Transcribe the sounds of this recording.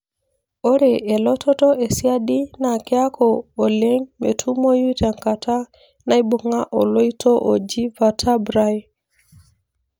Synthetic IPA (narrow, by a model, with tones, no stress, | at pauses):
o˦ɾe˨ʔe˨lɔ˦tʰɔ˦tɔ˦ʔe˨si˦a˦ɗi˦na˨kɛ˦a˦kʰɔː˨lɛ˦ŋme˨tʰu˦mo˦ju˦ta˨ŋka˨tʰa˦ | na˦i˦bo˨ŋa˦ʔɔ˨lo˦i˦tʰɔ˦ʔo̰˨d͡ʒi˦va˨tʰa˦bɾa˦j